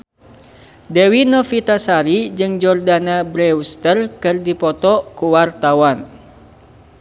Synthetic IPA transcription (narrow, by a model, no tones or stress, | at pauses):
dɛwinɔfit̪asaɾid͡ʒɨŋd͡ʒɔrdanabɾɛust̪ərkɨrdipɔt̪ɔkuwart̪awan